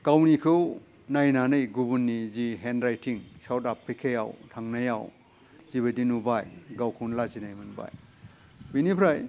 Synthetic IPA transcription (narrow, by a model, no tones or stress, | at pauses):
kawnikʰɯw | najnanɯjɡubunːiziɦenɾajtʰiŋsawtapʰɾikʰaja̰wtʰaŋnaja̰w | ziβɐdinubajɡawkʰuwnlazinajmɯnba̰j | binipʰɾaj